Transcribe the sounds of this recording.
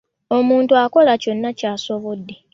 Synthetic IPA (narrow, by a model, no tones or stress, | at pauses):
o̞muːntuako̞laco̞nːacaːso̞βodːe̞